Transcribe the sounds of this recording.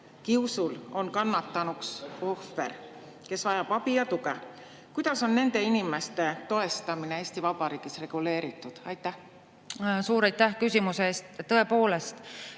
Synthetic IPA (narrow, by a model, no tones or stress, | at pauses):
kiwsulo̞nkɑnːɑt̪ːɑnukso̞fːe̞̰ɾ | ke̞svɑjɑb̥ɑb̥ijɑt̪uɡe | kujd̪̥ɑso̞nːe̞nd̪̥e̞inime̞st̪e̞t̪o̞e̞st̪ɑminee̞ːst̪ivɑb̥ɑɾiːɡ̥isre̞ɡ̥ule̞ːɾit̪ːˑud̪̥ɑjt̪ˑːæh | suːɾɑjt̪ːˑækysʲimuseeːst̪ːɤ̞epo̞ːle̞st̪